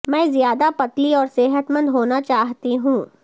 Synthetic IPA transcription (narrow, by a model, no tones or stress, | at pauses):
mɛ̃ːzijaːd̪apɐt̪liɔːɾsɪɦət̪mə̃nd̪ɦoːnat͡ʃaːɦt̪iɦũː